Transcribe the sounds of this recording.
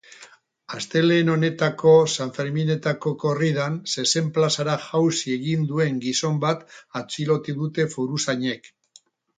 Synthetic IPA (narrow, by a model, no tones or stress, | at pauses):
ast̪e̞le̞ːno̞ne̞t̪ako̞saɱfe̞ɾmine̞t̪ako̞ko̞riðanse̞se̞mplasaɾaʝawsie̞ɣind̪ue̞ŋɡiso̞mbat̪at͡silo̞t̪iðut̪e̞fuɾusaɲe̞k